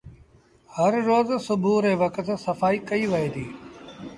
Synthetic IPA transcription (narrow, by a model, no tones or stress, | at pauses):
həɾːoːzsʊbʱuɾeːʋɐkt̪sɐfaːikɐiʋɐɦeːd̪iː